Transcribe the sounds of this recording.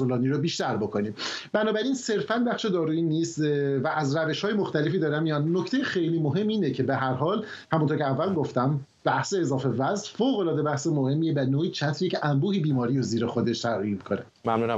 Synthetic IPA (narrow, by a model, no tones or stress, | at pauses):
olɒːniɾobiːʃt̪æɾbokʰo̞niːmbænɒːbæɾiːnse̞ɾfænbæχʃed̪ɒːɾuːiːniːst̪væʔæzɾæve̞ʃhɒːjemoxt̪æle̞fiːd̪ɒːɾæmːijɒːnnoct̪e̞jexejliːmoɦe̞mːiːnecʰe̞be̞ɦæɾɦɒːl | hæmunt̪oɾcʰʲeævːælmɡoft̪æm | b̥æhseːzɒːfe̞væzfoːɣo̞lɒːd̪e̞bæhsemohe̞mːievænoːiːt͡ʃʰæt̪ʰɾiecʰeʔæmbuːhibiːmɒːɾijɾoziːɾexo̞d̪e̞ʃt̪ʰæɾimikʰo̞nemæmnuːnæ